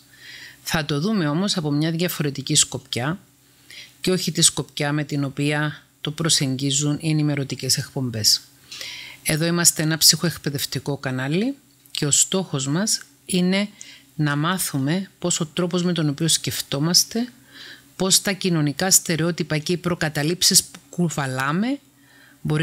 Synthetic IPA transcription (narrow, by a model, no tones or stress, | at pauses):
θɐt̪o̞ðume̞o̞mo̞sɐpo̞mɲɐðʝɐfo̞ɾe̞t̪icisko̞pcɐ | ce̞o̞çit̪isko̞pcɐme̞t̪ino̞piɐ | t̪o̞pɾo̞se̞ɲɟizunʔie̞nime̞ɾo̞t̪ice̞se̞kpo̞mbe̞s | e̞ðo̞imɐst̪e̞enɐpsixo̞e̞kpe̞ðe̞ft̪iko̞kɐnɐli | ce̞o̞st̪o̞xo̞zmɐs | ine̞ | nɐmɐθume̞po̞so̞t̪ɾo̞po̞zme̞t̪o̞no̞pio̞sce̞ft̪o̞mɐst̪e̞ | po̞st̪ɐcino̞nikɐst̪e̞ɾeo̞t̪ipɐceipɾo̞kɐt̪ɐlipsispukuvɐlɐme̞ | bo̞ɾi